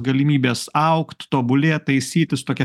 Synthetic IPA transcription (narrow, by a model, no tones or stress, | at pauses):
ɡɐlʲɪmʲiːbʲeːsɐʊkt̪t̪oːbʊlʲeːtt̪ɐɪsʲiːt̪ʲɪst̪oːkʲɛ